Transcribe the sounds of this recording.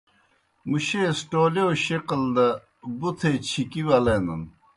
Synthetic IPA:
muɕesʈoːleoɕeqɐld̪ɐ | but̪ʰet͡ɕʰikiwɐlenɐ̰n

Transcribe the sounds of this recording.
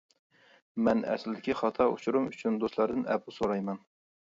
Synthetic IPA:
mɛnɛ̰slɪd̪ɪkʲiχɑt̪ʰɑʔṵt͡ʃʰuɾumyt͡ʃʰynd̪oslˠɑɾd̪ɨnɛpusoɾɑjmɑn

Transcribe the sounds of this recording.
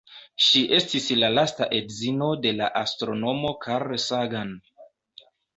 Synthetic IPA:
ʃiʔe̞stislalasta̰ʔe̞dzino̞de̞la̰ʔastɾo̞no̞mo̞kʰaɾsaɡan

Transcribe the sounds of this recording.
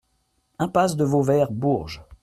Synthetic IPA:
ɛ̃pasd̪əvovɛʁbuʁʒ

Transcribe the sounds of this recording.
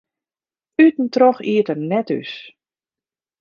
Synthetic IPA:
ytn̩troxiətərnɛty̰s

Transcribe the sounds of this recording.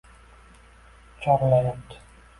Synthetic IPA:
t͡ʃʰɒɾlajap̚t̪ʰɪ̥

